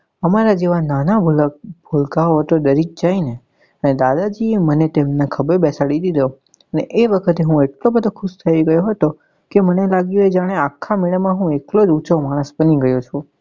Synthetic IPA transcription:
əmaɾad͡ʒeʋananabʱulbʱulkaoɦət̪od̪əɾik̚d͡ʒaine | əned̪ad̪ad͡ʒiemənet̪emnakʰəbəɾbɛsaɽid̪id̪əjo | əneʔeʋəkʰət̪eɦũeʈlobəd̪ʱokʰʊʃt̪ʰəiiɡəjoɦət̪o | kemənelaɡjued͡ʒaɽ̃eakʰːamiɭəmãɦũeklod͡ʒut͡ʃomãəsbəniɡəjot͡ʃʰu

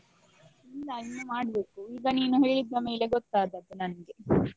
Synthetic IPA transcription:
ɛlːɐinːumaːɽbe̞ːkuiːɡɐniːnuɦe̞ːɭid̪ːɐme̞ːle̞ɡɔt̪ːaːd̪ɐd̪unɐnɐɡe̞

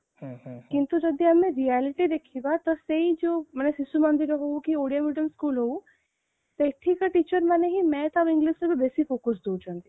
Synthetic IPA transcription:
kɪ̃nt̪ud͡ʒɐd̪iɐmẽɾiɛːlɪʈid̪eːkʰibat̪ɔseid͡ʒoːmɐnesɪsumɐ̃nd̪ɪɾoɦoukioːɽijamiɖəmskuːlɦou | seʈʰːikaʈiːt͡ʃəɾmaneɦimɛ̃t̪abɪ̃ŋɡliʃsebʱibeːsifoːkəs̬d̪od͡ʒãnd̪i

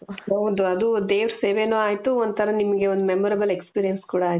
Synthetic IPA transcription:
ɦɐʋd̪uɐd̪ud̪eːʋɾɐseːʋeːnoːaːjt̪uond̪t̪ʰɐɾɐnimɐɡeond̪umemɔɾɐbɐle̞kspiːɾijɐnskuːɽɐaːj

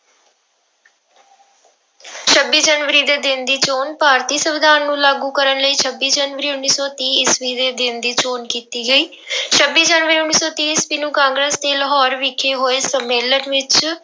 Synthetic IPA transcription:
t͡ʃʰəbːiːd͡ʒənʋəɾiːd̪eːd̪ɪ̃nd̪iːt͡ʃoːnpaːɾt̪iːsəʋɪd̪aːnːũːlaːɡũːkəɾənləiːt͡ʃʰəbːiːd͡ʒənʋəɾiːʊnːiːsɔːt̪iːɪsbiːd̪eːd̪ɪ̃nd̪iːt͡ʃoːnkiːt̪iːɡəiː | t͡ʃʰəbːiːd͡ʒənʋəɾiːʊnːiːsɔːt̪iːsbiːnũːkãːŋɡɾeːsd̪eːləɦɔːɾʋɪkʰeːɦoːeːsəmːeːlənʋɪt͡ʃ

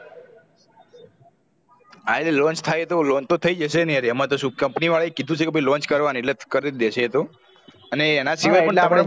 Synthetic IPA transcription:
alelɔ̃nt͡ʃt̪ʰajt̪olɔ̃nt͡ʃt̪ot̪ʰəid͡ʒəʃenjaɾiəmat̪oʃũkəmpniʋaɭaekid̪ʱũt͡ʃʰekebʱəilɔ̃nt͡ʃkəɾʋaneʈlet̪kəɾed̪eʃʰet̪o | əneːnasiʋajpəɳm

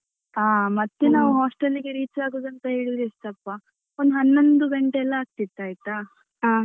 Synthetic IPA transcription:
aːmɐt̪ːenaːʋuɦaːsʈelːiɡeɾiːt͡ʃaːɡoːd̪ɐnt̪ɐɦeːɭid̪ɾist̪ɐpːa | ond̪uɦɐnːond̪uɡɐɳʈeɛlːɐaːk̚t̪it̪ːaːjt̪a | aː

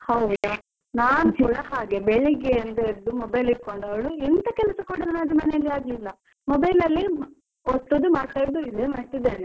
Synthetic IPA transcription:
hɐwd̪e | naːnud͡ʒuɽɐhaːɡe̞bɛɭeɡeɐnd̪ɐiɾɐd̪umɔbɐjliɾkoɳɖɐʋɐɭuɛnt̪ɐkɛlɐsɐkoɽɐnɐnɐd̪imɐːnejɐlːiaːɡlilːɐ | mɔbɐjlɐlːi | ot̪ːod̪umaːɽt̪aːjɾɐd̪uid̪emɐʈ̪ːid̪ːeːne

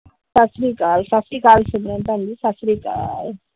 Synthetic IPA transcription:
sasɾikaːlsasɾikaːlsumɾənt̪and͡ʒisasɾika̰ːl

